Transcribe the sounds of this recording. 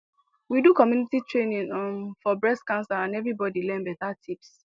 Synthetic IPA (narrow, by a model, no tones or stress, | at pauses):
widukɔmjunititʰɹẽnĩŋɔnfɔbɹɛskãnsaãnɛvɹibɔdilɛ̃mbɛtatʰips